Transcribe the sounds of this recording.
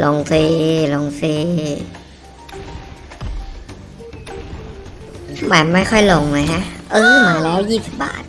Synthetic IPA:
lo˧ŋsiː˧lo˧ŋsiː˧˩ | ma˨˩nma˥˩jxʰɔ˥˩jlo˧˦ŋna˨˧˩jkʰa˦˥ʔʔɤː˧˩maː˨˦lɛː˦˥wji˧˩t̪ʰba̰ː˨˩t̪̚

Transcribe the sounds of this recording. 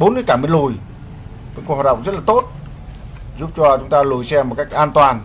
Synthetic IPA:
ɓo˨˦nŋɨ˧˦kaː˧˩mi˧əlu˧˩j | ə̰˧˨nkwa˨˩ɗə̰˧˨ŋ͡m̚zə˦˥t̚laː˨t̪o˦˥t̚ | zu˦˥p̚t͡ɕɔ˧t͡ɕʊ˨˦ŋ͡mt̪aː˧lu˨˧˩jsɛ˧mo˨˩ka˦˥jk̚ʔaː˧nt̪waː˨˩n

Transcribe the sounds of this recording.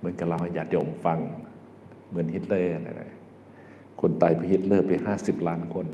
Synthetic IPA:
mɯ˧˥˨nka˧˩la˧˩wha˧˩jaː˨˩k̚t͡ɕa˧˩ʔo˨˧˩mfa˧ŋ | mɯ˧˥ə˨nhi˧˥t̪̚lɤː˧˨a˧˩na̰˧˩da̰˧˩j | kʰo˧˥˨nt̪aː˨˩jpʰa˧˨hi˧t̪̚lɤː˧˩pa˨˩ɦaː˧˥˩si˨˩p̚laː˦˥˨nkʰo˧˥˨n

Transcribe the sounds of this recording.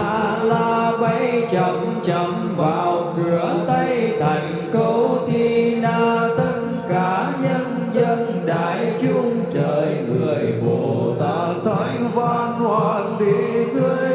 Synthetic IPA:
aː˧˨laː˧ɓa˧jt͡ɕə˧˩ŋ͡m | t͡ɕə˧˩ŋ͡m | vaː˨˩wkɨ˧˩ət̪ə˧jt̪ʰa˨˩jŋ̟kə˧wt̪ʰi˧naː˧˩t̪ɨ˧ŋ | kaː˧˦ | ɲə˧n | zə˧n | ɗa̰ː˧˨jt͡ɕʊ˧ŋ͡mt͡ɕəː˧˨˩jŋɨ˨˩əjɓo˧˨t̪aː˧˩t̪ʰə˧˨˦jvaː˧˩nhwaː˨˩nɗi˧˩zɨ˧əj

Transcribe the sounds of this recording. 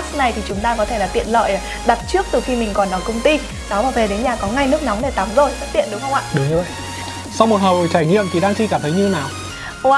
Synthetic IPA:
sna˨˩jt̪ʰi˨˩t͡ɕʊ˨˦ŋ͡mt̪aː˧kɔ˨˦t̪ʰe˧˩laː˨˩t̪ḭ˧˨ənlə̰ː˧˨j | ɗa˨˩t̚t͡ɕɨ˦˥ək̚t̪ɨ˨˩xi˧mï˨˩ŋ̟kɔ˨˩nːɔ˨˦jkə˧wŋ͡mt̪i˧ | nɔ˨˦vaː˨˩ve˨˩ɗe˨˦nɲaː˨˩kɔ˨˦ŋa˧jnɨ˦˥ək̚na˨˦wŋ͡mɗe˧˩t̪a˨˦mzo˨˩jfə˦˥t̚t̪ḭ˧˨ənɗʊ˨˦ŋ͡mhə˧wŋ͡mʔa̰ː˧˨ɗɨ˨˦˧və̰˧˨ | sa˧wmo˨˩t̚hə˨˩wt͡ɕaː˧˩jɲḭ˧˨əmt̪ʰi˨˩ɗaː˧ŋt͡ɕʰi˧kaː˧˩mt̪ʰə˨˦jɲɨ˧naː˨˩ | wa˧

